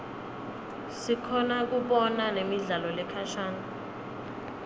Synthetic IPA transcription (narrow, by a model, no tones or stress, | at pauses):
sikʰɔnak̬uɓɔnanemiɮalɔlɛkʰaʃaːna